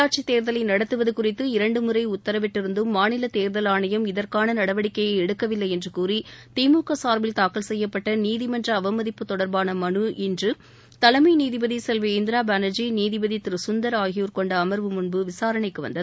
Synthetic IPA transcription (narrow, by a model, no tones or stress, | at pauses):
aːʈ̚t͡ʃit̪eːɾðɐlɐɪnɐɽɐt̪ːɯʋɐðɯkʊrɪt̪ːɯɪɾɐɳɖɯmʊrɐɪʊt̪ːɐɾɐʋɛʈːɪɾɯnd̪ɯmːaːnɪlɐt̪eːɾðɐlaːɳɐjɐmɪðɐrkaːnɐnɐɽɐʋɐɽɪkːɐjɐɪɛɽɯkːɐʋɪlːɐɪɛndrɯkuːrit̪iːmuːkɐsaːɾʋɪlt̪aːkɐlsɛjːɐpːɐʈːɐniːðɪmɐndrɐːʋɐmɐðɪpːɯt̪ːɔɽɐɾbaːnɐmɐɳɯʔɪndrɯ | t̪ɐlɐmɐɪniːðɪbɐðisɛlʋɐɪnd̪ɪɾaːbaːnɐd͡ʒiniːðɪbɐðit̪ɪɾɯsʊnd̪ɐɾaːɣɪjuːɾkɔɳɖɐːmɐɾʋɯmʊɳbɯʋɪsaːɾɐɳɐɪkːɯʋɐ̰nd̪ɐðɯ